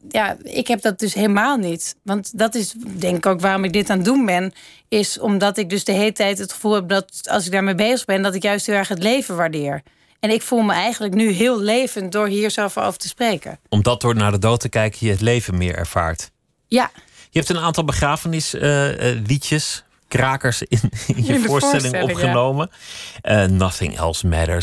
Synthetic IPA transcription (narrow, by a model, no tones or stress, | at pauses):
jaɪ̰kɦɛb̚dɔt̚døsɦeləmaːlˠnitʋɑntdɑtɪsdɛŋkɪkowkʋaːrɔmɪɡ̚dɪtaːndunbɛn | ɪsɔmdɔtɪk̚døsdəɦeːlətɛjtɦətχə̥fulˠɦɛp̚dɔtɑ̰lˠsɪɡ̚daːɹmebejzəɣbɛndɔtɪkjœɥstɦɪlˠɛɹxɦətlejvəʋaɹdɪːɹ | ɛnɪkfulˠməɛjɣəndləknyɦɪːlˠlejvəntdʊɹɦiːɹsovəɹo̰wvəɹtəsprejkə̰ɔmdɑt̚dʊːɹnaːɹdədowtəkɛjkəjəətlejvənmɪ̰ːɹɛ̰ɹv̥a̰ːɹt | jajəɛp̚tənaːntɑlˠbəχraːvənɪsəlitjəs | kraːkəɹsɪnɪnjəvʊːɹstɛslɪŋɔχənowməənɑθɪ̰ŋʔɛ̰lˠsmɛ̰də̰